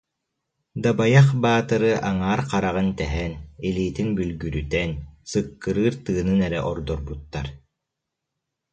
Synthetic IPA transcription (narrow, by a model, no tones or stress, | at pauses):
d̪abajaχbaːt̪ɯɾɯʔaŋaːɾqaɾaʁɯnt̪ɛɦɛniliːt̪inbylɡyɾyt̪ɛnsɯkːɯɾɯːɾt̪ɯːnɯnɛɾɛʔɔɾd̪ɔɾbut̪ːaɾ